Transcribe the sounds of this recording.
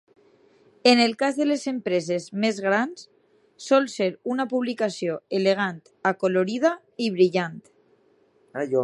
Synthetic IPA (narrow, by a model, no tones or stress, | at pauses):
enelkazðelezempɾezezmezɣɾans | sɔlseɾunapuβlikasijoeleɣ̞ant̪akoloɾið̞a | iβɾiʎant̪ | ajo